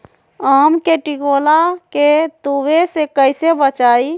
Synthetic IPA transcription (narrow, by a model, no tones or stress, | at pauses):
amkeʈiɡolaket̪uʋesekəɪsebət͡ʃai